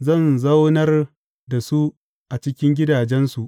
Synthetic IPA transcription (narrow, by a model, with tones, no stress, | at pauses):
zɐ˦˨nzɐ˦wnɐ˦r | da˨su˦ | ʔa˨t͡ʃɪ˦kʲɪ˦ŋɡʲɪ˦daː˨d͡ʒɛ˦nsu˨ʔ